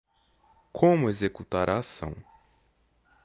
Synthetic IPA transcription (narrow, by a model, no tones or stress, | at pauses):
kʰõmʊezekut̪aɾʔaːsɐ̰̃w̃